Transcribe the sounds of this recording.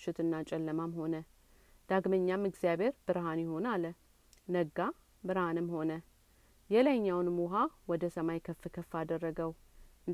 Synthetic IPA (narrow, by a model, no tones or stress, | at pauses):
ʃɪt̪ɨnːat͡ʃʼɛlːəmamho̞nə | d̪̥aɡməɲːamːɨɡzijabhe̞ɾbɨɾɦanjɪho̞nalə | nəɡːa | bɨɾhanɨmho̞nə | jɛlajɲːawnmuɦawɔd̪əsəmajkʰəfːɨkʰəfːad̪ərːəɡəwʔɨn